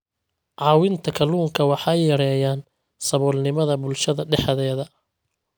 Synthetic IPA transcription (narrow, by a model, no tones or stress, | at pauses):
ʕɑːwɪnt̪ʰɐkʰɐluːŋkʰɐwɑħɑjːɐɾɛːjaːn | sɐβɔːlnɪmɐðɐbʊlʃɐðɐɖɛħɐðɛːðɐ